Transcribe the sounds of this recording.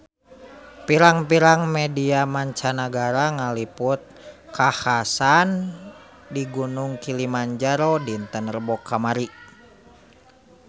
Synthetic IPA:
piɾaŋpiɾaŋmɛdiamaɲt͡ʃanaɡaɾaŋaliput̪̚kʰahasan | diɡunuŋkilimaɲd͡ʒaɾɔdint̪ənrəbɔkːamaɾi

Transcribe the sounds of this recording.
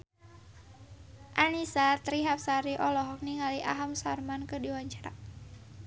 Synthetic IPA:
ʔanisat̪ɾiɦap̚saɾiʔɔlɔɦɔk̚niŋaliʔa̰ɦamsarmankədiwaɲt͡ʃaɾa̰

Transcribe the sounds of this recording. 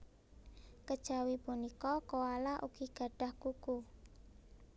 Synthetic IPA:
kəd̥ʒ̥a̤wipunikɔkowalaʔṵɡ̥iɡ̥a̤ɖ̥a̤hkuku

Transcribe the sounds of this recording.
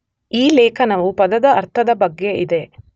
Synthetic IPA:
iːlɛːkʰɐnɐʋupɐd̪ɐd̪ɐːɾt̪ʰɐd̪ɐbɐɡːe̞ʔid̪e̞

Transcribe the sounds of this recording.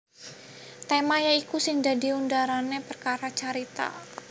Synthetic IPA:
t̪emajaikusɪŋdadiundaɾanepərkaɾat͡ʃaɾit̪a̰

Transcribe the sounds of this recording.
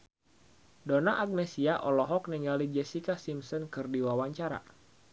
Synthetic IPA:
donaʔak̚nesiaʔɔlɔɦɔk̚niŋɡalid͡ʒɛsikasimsɔnkɨrdiwawaɲt͡ʃaɾa̰

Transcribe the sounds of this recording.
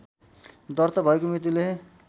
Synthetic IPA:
d̪ʌrt̪ʌbʱʌekomrit̪̬ile

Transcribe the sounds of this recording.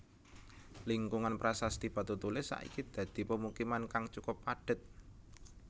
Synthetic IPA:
liŋkuŋanpɾasast̪ib̥a̤t̪ut̪ulɪsa̰ʔḭkid̪̥ä̤d̪̥i̤pəmukimankaŋt͡ʃukʊpːaɖ̥ə̤t̪̚

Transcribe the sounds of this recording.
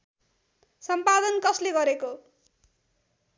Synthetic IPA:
sʌmpad̪ʌnkʌsleɡʌɾeko

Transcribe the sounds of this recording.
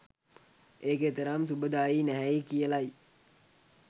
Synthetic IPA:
eːkeːt̪əɾamsubəd̪aːjinæɦæikijəlaj

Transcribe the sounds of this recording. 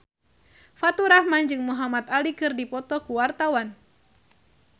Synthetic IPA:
fat̪uɾahmand͡ʒɨŋmuɦamat̪alikɨrdipɔt̪ɔkuwart̪awan

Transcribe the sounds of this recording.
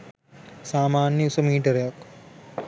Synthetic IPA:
saːmaːnjɐsɐmiːʈɐɾjɐk

